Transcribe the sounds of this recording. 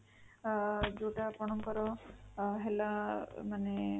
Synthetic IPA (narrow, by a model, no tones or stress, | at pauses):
d͡ʒoʈapɔɽ̃ɔmkɔɾɔ | ɦɛlamane